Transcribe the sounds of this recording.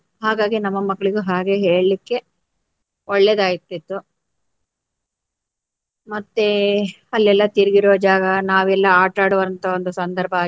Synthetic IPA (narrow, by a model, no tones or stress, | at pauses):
ɦaːɡaːɡinɐmːɐmɐɡːɐɭiɡuɦaːɡe̞ɦeːɭlikːe̞ | ɔɭːed̪aːjit̪ːit̪ːu | mɐt̪ːe | ɐlːɛlːɐt̪iɾiɡiɾuʋːɐd͡ʒaːɡɐnaːʋɛlːɐaːʈaːɽuʋɐɾɐnt̪ʰɐond̪usɐnd̪ɐɾbʱɐː